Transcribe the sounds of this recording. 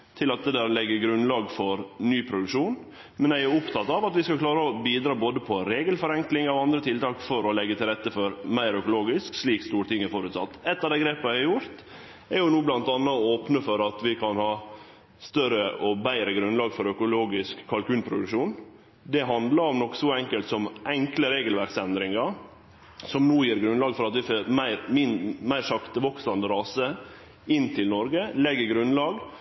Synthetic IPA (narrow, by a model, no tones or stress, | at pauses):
t̪ʰɪlɑt̪̚d̪ɛd̪æːɾlɛɡːəɡɾʉnlɑːɡfɔɾnyːpʰɾʊd̪ʉkʂuːn | mɛnæɪæɾʊpt̪ʰɑt̪ːɑʋɑt̪ʋɪskɑkʰlɑːɾəɔbiːd̪ɾɑːboːd̪əpʰɔɾeːɡəlfɔɾɛŋklɪŋɑʋɑnd̪ɾət̪ʰɪlt̪ʰɑːkfɔɾɔlɛɡːət̪ʰɪlɾɛt̪ːəfɔɾmæɪɾœkʊloːɡɪsksliːkst̪uːɾət̪ʰɪŋːɛɾfɔɾʉt̪sɑ̰t̪ːɛt̪ːɑʋd̪ɛɪɡɾeːpəæɪæɾjʊɾt̪ | ɛɾjʊnuːblɑnt̪ɑnːɑoːpnəfɔɾɑt̪ʋɪkʰɑnhɑː | st̪œɾəʔɔbæɪɾəɡɾʉnlɑːɡfɔɾœkʊloːɡɪskʰːɑlkʉːlpʰɾʊd̪ʉkʂuːn | d̪ɛɦɑnd̪lɑɾɔmnɔkːsɔɛŋkəlt̪sɔmʔɛŋkləɾeːɡəlʋæɾksɛnd̪ɾɪŋɑ | sɔmnoːjiːɾɡɾʉnlɑːɡfɔɾɑt̪ʋɪfoːɾmæɪɾmɪnmæɪɾʂɑkt̪əʋɔksɑnd̪əɾɑːsə | ɪnːt̪ʰɪlnɔɾɡəlɛɡːəɡɾʉnlɑːɡ